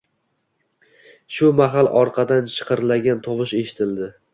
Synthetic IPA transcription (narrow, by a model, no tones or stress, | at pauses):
ʃʊmaɦalˠʔɒɾqʰɑd̪ant͡ʃʰɨ̥qʰɨɾlaɡʲant̪ʰɒvɨʃe̞ʃɪ̥t̪ʰɪld̪ɪ